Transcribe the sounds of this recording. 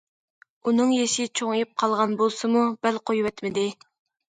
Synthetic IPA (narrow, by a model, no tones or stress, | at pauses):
unɨŋjeʃɪt͡ʃʰoŋɨjip̚qʰɑlˠʁɑnbolˠsɨmub̥ælqʰojwɛt̪mɪd̪ɪ